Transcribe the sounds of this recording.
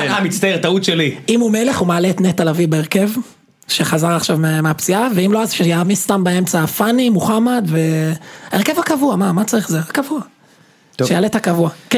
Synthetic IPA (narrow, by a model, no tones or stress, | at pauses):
amit͡st̪aet̪aut̪ʃeliimumele̞χumaːlet̪net̪alavivbeeʁke̞v | ʃeχazaʁaχʃavmemeapt͡siaveimloazʃejamist̪ambae̞mt͡safanimuχamad̪ve̞aeʁke̞vakavuamamat͡saʁiχzeakavua | ʃejalethakavuake